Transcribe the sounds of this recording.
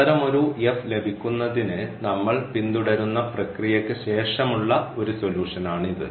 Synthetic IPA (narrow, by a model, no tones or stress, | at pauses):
ɐɾɐmo̞ɾujefle̞bʱikʲːunːɐðinɨnɐmːɐɭpind̪uɽɐɾunːɐprɐkrijɐkːɨɕe̞ːʂɐmuɭːɐo̞ɾuso̞ljuːʂɐnaːɳiðɨ̰